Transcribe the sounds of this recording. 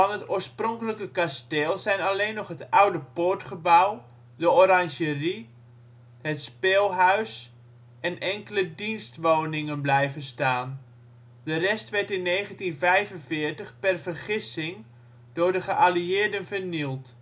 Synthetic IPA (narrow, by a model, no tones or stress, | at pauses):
fɑnɦətoːɹsproŋkələkəkasteːlˠzɛjnaleːnːɔχɦətawdəpoɹtχəbaw | dəorɑŋʒəri | ɦətspeːlˠɦœɥs | ʔɛnɛŋkələdinstʋoːnɪŋənblɛjvənstaːn | dərɛstʋɛɹtɪnːeːχəntinvɛjvənvɪːrtəχpɛrvərχɪsɪŋ | d̥ʊːɹdəχəʔaliɪːrdənvərnilˠt